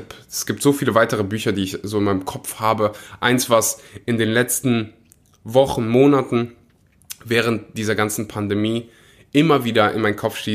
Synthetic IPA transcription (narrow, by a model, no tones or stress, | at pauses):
pɛsɡ̥iːp̚tz̥oːfiːləvaɪtəʁəbyːçɐdiːɪçzoːɪnmaɪnəmkʰɔpfhaːbəʔaɪnsv̥asʔɪndeːnlɛt͡stn̩ | vɔχn̩moːnatn̩ | vɛːʁ̞əntd̥iːzɐɡant͡sn̩pʰandemiː | ʔɪmɐviːdɐʔɪ̰nmaɪnkʰɔpfʃtiː